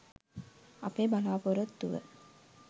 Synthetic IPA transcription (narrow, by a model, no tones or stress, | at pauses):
ɐpeːbalaːpoɾət̪ːuʋə̰